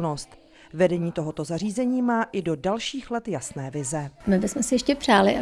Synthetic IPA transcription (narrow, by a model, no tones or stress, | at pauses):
no̞st̪ | vɛdɛɲiːt̪o̞ɦo̞t̪o̞zar̝iːzɛɲiːmaːʔɪdo̞dalʃiːxlɛt̪jasnɛːvɪzɛmɪbɪsmɛsɪjɛʃcɛpr̝̥aːlɪʔa